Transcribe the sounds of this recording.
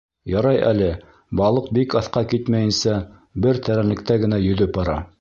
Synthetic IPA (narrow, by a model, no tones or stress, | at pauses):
jɑɾɑjʔæ̰lɘ | bɑlˠɤq̚bikɑθqɑkit̪mæjɘ̆nsæ | bɘɾt̪ʰæɾænlɘ̆k̚t̪æɡɘ̆næjɵ̆ðɵp̚bɑɾɑ